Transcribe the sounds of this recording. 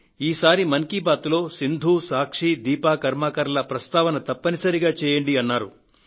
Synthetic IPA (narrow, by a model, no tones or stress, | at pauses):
iːsaːɾimɐŋkibaːt̪ulo̞ːsind̪ʱuːsaːkʂid̪iːpaːkɐɾmaːkɐɾɐlɐpɾɐst̪aːʋɐnɐt̪ɐpːɐnisɐɾiɡaːt͡ʃɛːjɐɳɖiɐnːaːɾṵ